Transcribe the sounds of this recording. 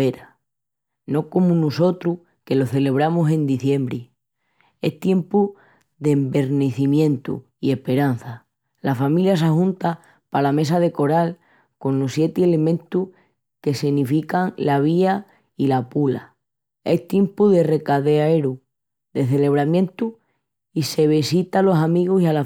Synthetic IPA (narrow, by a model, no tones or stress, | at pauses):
eɾa | no̞ko̞munuso̞t̪ɾu | ke̞lo̞θe̞le̞β̞ɾamusẽ̞nd̪iθje̞mbɾi | e̞̰ht̪je̞mpu | ðe̞mbe̞ɾneθimjẽ̞nt̪ṵ | ie̞hpe̞ɾan̟θa | lafamiljas̬ahũnt̪a | palame̞s̬aðe̞ko̞ɾal | ko̞nlosje̞t̪iele̞mẽ̞nt̪uh | ke̞sinifikaŋlaβ̞ia | ilapula̰ | e̞ht̪je̞mpuðe̞re̞kaðe̞aeɾu | ðe̞θe̞le̞β̞ɾamjẽ̞nt̪u | ise̞β̞isit̪alo̞samiɣosiala